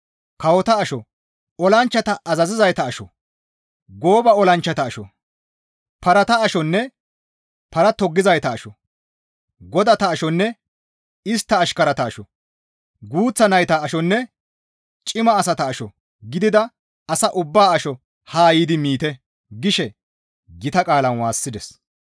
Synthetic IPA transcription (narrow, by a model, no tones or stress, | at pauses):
kɐwɔt̪ɐːʃɔ | ɔlɐnt͡ʃːɐt̪ɐʔɐzɐzɪzɐjt̪ɐːʃɔ̰ | ɡo̞ːbɐɔlɐnt͡ʃːɐt̪ɐːʃɔ̰ | pɐɾɐt̪ɐːʃɔnːɛ | pɐɾɐt̪ɔɡːɪzɐjt̪ɐːʃɔ | ɡɔd̪ɐt̪ɐːʃɔnːɛ | ɪst̪ːɐːʃkɐɾɐt̪ɐːʃɔ | ɡuːt͡sːɐnɐjt̪ɐːʃɔnːɛ | t͡ʃʼɪmɐːsɐt̪ɐːʃɔ | ɡɪd̪ɪd̪ɐ | ɐsɐʔʊbːaːɐʃɔ | haːjiːd̪ɪmiːt̪ɛ | ɡɪʃɛ | ɡɪt̪ɐkʼaːlɐnwaːsːɪd̪ɛs